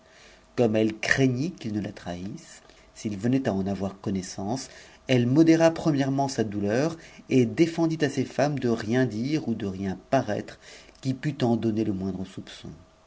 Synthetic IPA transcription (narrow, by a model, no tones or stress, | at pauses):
kɔmɛlkχeɲikʲilnəlat̪χaisː | ilvənɛt̪aɑ̃navwaʁkɔnɛsɑ̃s | ɛlmɔd̪eʁapχəmjɛʁmɑ̃sad̪ulœːʁed̪efɑ̃d̪it̪asefamd̪əʁjɛ̃d̪iʁud̪əʁjɛ̃paʁɛ̰t̪χkʲipyt̪ɑ̃d̪ɔneləmwɛ̃d̪ʁəsupsɔ̰̃